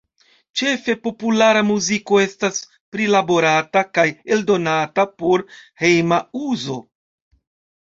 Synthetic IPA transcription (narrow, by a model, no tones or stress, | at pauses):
t͡ʃe̞fe̞po̞pulaɾamuziko̞e̞stas | pɾilabo̞ɾatakaje̞ldo̞natapo̞ɾhe̞jmauzo̞